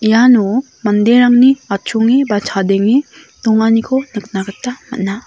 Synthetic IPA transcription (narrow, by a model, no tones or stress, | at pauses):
jano | mɐnd̪eɾaŋniat͡ʃʰuŋebat͡ʃʰad̪eŋe | t̪oŋanikʰonək̚nakət̪ːamɐ̰t̚na